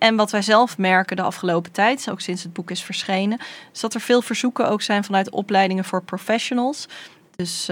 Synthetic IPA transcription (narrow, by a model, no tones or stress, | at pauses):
ʔɛnʋɑtʋɛjzɛlˠfmɛɹkədəɑ̰fχəlowpə̥tɛjtowksɪnsɦəd̚bukɪsfəɹsχejnəɪ̥zd̥ɑtɛɹv̥ɪːlˠvəɹzukəʔowksɛjnvɑnœɥtɔ̰plɛjdɪŋəvʊːɹprofɛʃonəlˠs | dɵs